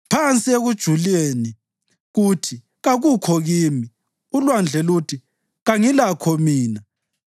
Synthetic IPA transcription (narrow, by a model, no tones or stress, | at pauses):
pʰant͡sʼieɣud̥ʒ̥ʱuleni | ɣutʰi | ɣaɣukʰɔɣiːmi | ulwand͡ɮʱɛlutʰi | ɣaŋilakʰɔmiːna